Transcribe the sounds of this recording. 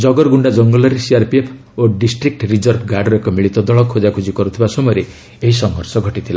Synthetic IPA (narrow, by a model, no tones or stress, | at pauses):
d͡ʒɔɡɔɾɡuɳɖad͡ʒɔŋɡɔlɔɾesiaɾpiepʰ | oɖisʈɾik̚ʈɾid͡ʒɔɾbʱɡaɖɾekɔmiɭit̪ɔd̪ɔɭɔkʰːod͡ʒakʰud͡ʒikɔɾut̪ʰibasɔmɔjɾe | eɦisɔŋɦɔɾsɔɡʱɔʈit̪ʰila